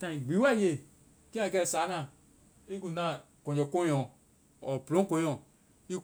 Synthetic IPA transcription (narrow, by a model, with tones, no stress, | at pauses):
tã˨ĩ˨ɡ͡bi˨˦wa˦˨je˨ | ki˦ã˦˨˧kɛ˦˧˨sa˨˦nã˨ | i˦ku˨nã˦˨ | kõ˨d͡ʒɔ˨kõ˦ɔ̃˨ | ɔ˨pɾõ˦kõ˧˦ɔ̃˨ | i˦